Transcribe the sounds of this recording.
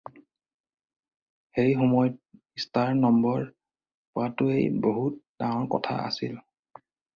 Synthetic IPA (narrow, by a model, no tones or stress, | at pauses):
xeɹixɔmɔjɔt̚ | istaɹnɔmbɔɹ | pʊatʊejboɦut̚dãŋɔɹkɔ̰tʰa̰ʔa̰sil